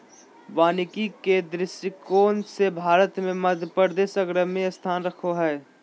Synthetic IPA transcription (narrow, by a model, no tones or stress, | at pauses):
ʋaːnɪkiked̪ɾɪsəkoːnsebʱaːɾət̪mẽmɐd̪ʱjpəɾd̪eːsəɡɾəɦmẽɐst̪ʰaːnɾɐkʰoɦɛː